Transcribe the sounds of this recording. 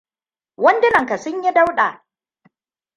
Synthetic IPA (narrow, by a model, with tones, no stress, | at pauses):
wɐ˦ndɪ˦nɐ˨ŋka˨sʊ˦ɲji˦da˦wɗaː˨